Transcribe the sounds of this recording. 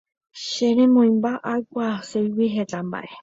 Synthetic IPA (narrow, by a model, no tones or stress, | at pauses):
ʃeɾẽmõĩmbaʔajkʷasejwiɦet̪amba̰ʔe